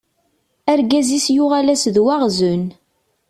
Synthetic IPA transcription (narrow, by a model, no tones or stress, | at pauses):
æɾɡæzisjʊʁalæsðwaʁzʊn